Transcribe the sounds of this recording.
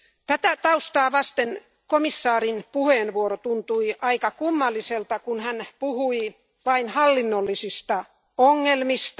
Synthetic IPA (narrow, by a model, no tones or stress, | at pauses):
t̪æt̪æt̪ɑust̪ɑːʋɑst̪en | komisːɑːrinpuheːnʋuoɾot̪unt̪uiʔɑikɑkumːɑlːiselt̪ɑkunhænpuhui | ʋɑinhɑlːinːolːisist̪ɑ | oŋːelmist̪